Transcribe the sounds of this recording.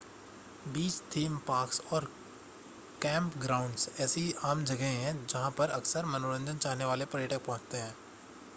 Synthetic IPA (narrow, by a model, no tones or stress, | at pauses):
biːt͡ʃt̪ʰiːmpaːksɔːɾ | kɛ̃ːmpɡɾaːʊ̃ɳɖsɛːsiaːmd͡ʒɐɡəɦẽɦɛ̃d͡ʒɐɦãpəɾɐksəɾmɐnoːɾə̃nd͡ʒənt͡ʃaːɦneʋaːlepɐɾjəʈək̚pɔ̃ɦʊ̃t͡ʃt̪eɦɛ̃ː